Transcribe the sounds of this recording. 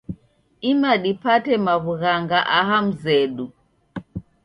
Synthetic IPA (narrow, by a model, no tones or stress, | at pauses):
imaɗipatɛmaβuɣaŋɡaʔaɦam̩zɛɗu